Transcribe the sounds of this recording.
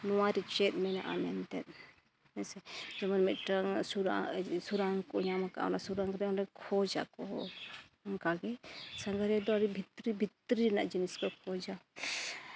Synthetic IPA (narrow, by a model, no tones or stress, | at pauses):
nɔwaɾit͡ʃɛt̪̚mɛna̰ʔa̰mɛnt̪ɛ̰t̪̚ | mɛsɛd͡ʒɔmanmɛt̪ʈaŋsuɾasuɾaŋkɔɲamaka̰ɔ̰nasuɾaŋkɾɛɔnɾɛkʰɔd͡ʒakɔ | ŋkaɡɛsaŋɡaɾɛd̪ɔaɾibʱit̪ɾibʱit̪ɾiɾɛnaʔd͡ʒiniskɔkʰɔd͡ʒa